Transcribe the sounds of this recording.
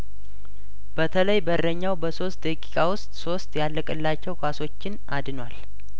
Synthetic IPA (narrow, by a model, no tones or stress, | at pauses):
b̥ət̪ʰələjbəɾrəɲːawbəso̞st̪̚d̪əkʼi̥kʼawʊst̪ʼso̞st̪ʼjalːəkʼɨlːat͡ʃːɛwkʰʷaso̞t͡ʃːɪn | ad̪nwal